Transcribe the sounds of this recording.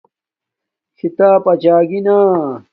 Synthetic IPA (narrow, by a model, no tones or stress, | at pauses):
kʰit̪aːpɐt͡ɕaːɡinaː